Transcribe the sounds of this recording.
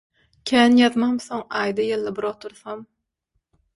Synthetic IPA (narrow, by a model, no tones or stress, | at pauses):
kʲʰæːnjɑðmɑmθoŋɑːjd̪ɑjɯlˠːɯbiɾot̪ʰuɾθɑm